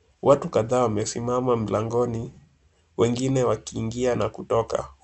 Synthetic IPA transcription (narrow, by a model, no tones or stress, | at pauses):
wʔatukaðaːwamɛsimamam̩laŋɡɔni | wɛŋɡinɛwakiːŋɡianakutɔka̰